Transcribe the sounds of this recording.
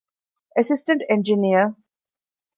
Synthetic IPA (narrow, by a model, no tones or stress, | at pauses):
əsɪsʈə̃ɳʈẽnd͡ʒiniə